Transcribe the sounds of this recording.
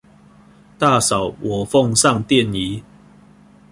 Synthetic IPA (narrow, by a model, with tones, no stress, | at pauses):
t̪a˥˨sɑ˨˩ʊwʔɔ˨˩fɔ˥˧ŋsɑ˥˨ŋt̪jɛ˥˨ni˨˦